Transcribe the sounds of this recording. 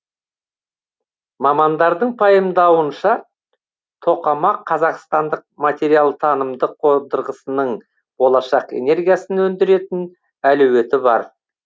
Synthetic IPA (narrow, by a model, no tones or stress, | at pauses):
mɑmɑnd̪ɑɾd̪əɴpʰɑjəmd̪ɑwənʃɑ | t̪ʰo̞qɑmɑqʰːɑzɑqst̪ɑnd̪əq̚mat̪ʲe̞ɾijalˠt̪ʰɑnəmd̪əqʰod̪əɾʁəsənəɴ | bo̞lˠɑʃɑqḛne̞ɾɡʲijasənɵnd̪ɪɾe̞t̪ɪn | ælʉwe̞t̪ɪbɑ̰ɾ